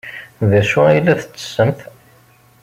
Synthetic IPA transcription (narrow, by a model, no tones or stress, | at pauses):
ðæʃuilːæθət͡sːə̥sːəmθ